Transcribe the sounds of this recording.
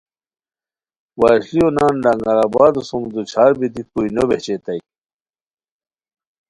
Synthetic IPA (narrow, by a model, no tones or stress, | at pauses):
waːɕlionaːnɖaŋɡɐɾabaːd̪usumd̪ut͡ɕʰaːɾbid̪ikuinobet͡ɕet̪ɐi